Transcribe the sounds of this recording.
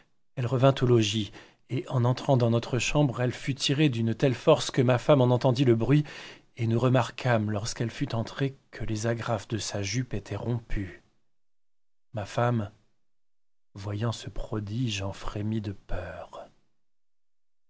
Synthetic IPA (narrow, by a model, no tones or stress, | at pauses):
ɛlʁəvɛ̃t̪olɔʒi | eʔɑ̃nɑ̃t̪χɑ̃d̪ɑ̃nɔt̪χəʃɑ̃bʁɛlfyt̪ʰiʁed̪ynt̪ɛlfɔʁskəmafamɑ̃nɑ̃t̪ɑ̃d̪iləbʁɥi | enuʁəmaʁkʰamlɔʁskɛlfyt̪ɑ̃t̪χekʰəlezaɡʁafd̪əsaʒypet̪ʰɛʁɔ̃pʰy | mafam | vwajɑ̃səpχɔd̪iʒɑ̃fχemid̪əpœːʁ